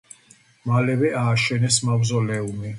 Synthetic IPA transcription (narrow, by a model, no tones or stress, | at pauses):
malɛvɛʔaːʃɛnɛsmabzɔlɛumi